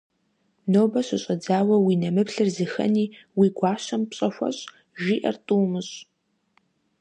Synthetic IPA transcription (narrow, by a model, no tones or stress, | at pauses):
noːbɐɕʷɪɕʼɐd͡zaːwɐwiːnɐmɨpɬɨrzɨxɐ̰niːwiːɡʷɑːɕɐmpɕʼɐɕʷɐ̰ɕʼ | ʒiːʔɐ̰rtʼuːmɨɕ